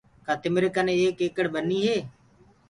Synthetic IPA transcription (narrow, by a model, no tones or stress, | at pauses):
kaːt̪ɪmɾekanẽːeːkeːkəɽbəniːɦeː